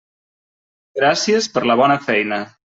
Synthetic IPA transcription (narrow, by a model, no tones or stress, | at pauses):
ɡɾasiəspəɾləβ̞ɔnəfɛjnə